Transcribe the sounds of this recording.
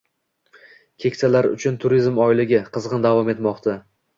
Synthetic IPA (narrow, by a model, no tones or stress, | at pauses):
kʲʰe̞kʲsalaɾʊ̰t͡ʃʰʊnt̪ʰʊɾizmɒjlɪɡʲɪqʰɨzʁɨnd̪avɒme̞t̪mɒqt̪ʰa